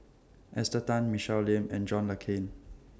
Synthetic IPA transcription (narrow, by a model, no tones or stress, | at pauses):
ʔɛstətãnmiʃɛllɛ̃mɛ̃nd͡ʒɔ̃nləkʰẽn